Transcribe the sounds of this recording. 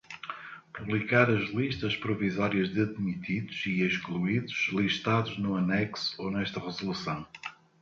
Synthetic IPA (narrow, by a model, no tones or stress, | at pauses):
puβlˠikaɾɐʒlˠiʃt̪ɐʃpɾuvizɔɾiɐʒðɨɐðmit̪iðuz̥ieʃklˠuiðuʃlˠiʃt̪aðuʒnuɐnɛksu̥onɛʃt̪ɐʁɨzulˠusɐ̃w̃